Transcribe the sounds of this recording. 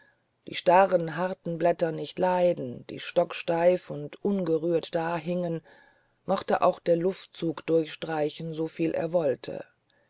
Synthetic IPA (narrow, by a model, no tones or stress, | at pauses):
d̥iːʃtaʁənɦaʁtn̩blɛtɐnɪçtlaɪdn̩d̥ḭːʃtɔkʃtaɪfʊntʔʊnɡəʁyːɐtd̥aːɦɪŋən | mɔχtəʔa̰ʊxd̥eːɐlʊft̚t͡suːkd̥ʊɐçʃtʁ̥aɪçn̩zofiːlʔḛːɐvɔltʰə̰